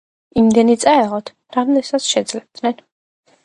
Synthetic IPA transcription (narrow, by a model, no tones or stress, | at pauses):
imd̪ɛnit̪sʼaɛʁɔt̪ʰ | ɾamd̪ɛsat̪sʰʃɛd̪zlɛb̚d̪nɛn